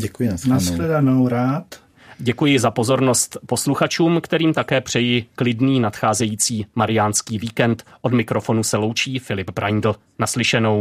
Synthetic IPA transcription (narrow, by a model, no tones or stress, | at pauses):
ɟɛkujɪnasxlɛdanowɾaːt̪ | ɟɛkujɪzapo̞zo̞ɾno̞st̪po̞sluxat͡ʃuːmkt̪ɛɾiːmt̪akɛːpr̝̥ɛjɪklɪdniːnat̪xaːzɛjiːt͡siːmaɾɪjanskiːviːkɛnt̪ʔo̞dmɪkɾo̞fo̞nusɛlo̞wt͡ʃiːfɪlɪpbɾa̰jndl̩ | naslɪʃɛno̞w